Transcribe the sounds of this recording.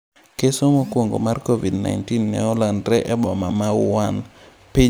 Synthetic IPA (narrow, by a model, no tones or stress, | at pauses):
kesomokwoŋɡo̰markovidna̰jntinːɛ̰ɔlandɾɛʔɛbɔmamawan | pɪ